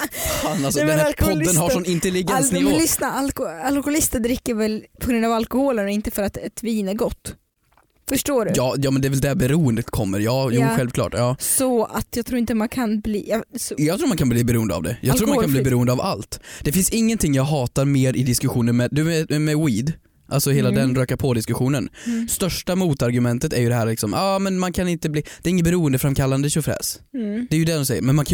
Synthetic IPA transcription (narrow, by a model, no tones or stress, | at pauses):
fanalsɔd̪ɛnæɾpʰɔd̪ːənhaʂɔnɪnt̪ɛlɪɡɛnsnɪvlɪsnaalalkʊʊlɪst̪əd̪ɾɪkːəɾvɛlpʰɔɡɾɵnd̪avalkʊhoːlənɔɪnt̪əfœɾat̪ɛt̪viːnæɾɡɔt̪ː | fœʂʈoːɖɵjɑːjɑːmɛnd̪ɛɾvɛld̪ɛbɛɾuːənd̪ət̪kʰɔmːə̰ɾjɑːjuːɧɛlvkʰlɑ̰ːʈjɑːssɔat̪jɑɡ̚t̪ʰɾuːɾɪnt̪əmankʰanblḭːjɑjɑɡt̪ʰɾuːɾmankʰanbliːbɛɾuːənd̪əa̰vd̪ɛ̰jʔɑ̰ːɡt̪ʰuːɾmankanbliːbɛɾuːənd̪əava̰lt̪d̪̥ɛfɪnsɪŋːənt̪ʰɪŋːjɑːɡɦɑːt̪aɾmeːɾɪd̪ɪskɵɧuːnənmɛd̪ʉɛmɛwiːd̪ | ʔalsɔheːlad̪ɛnɾøːkaɾpʰɔd̪ɪskɵɧuːnənst̪œʂʈamuːt̪aɾɡɵmɛnt̪ət̪æɾjɵd̪ɛɦæːɾlɪksɔmʔɑːmɛnmankʰanɪnt̪əbliːd̪̥ɛɾɪŋːət̪bɛɾuːənd̪əfɾamkʰalːand̪əɕʊfɾɛ̰ːsd̪ɛːjɵd̪ɛd̪ɔmsɛjəɾmɛnman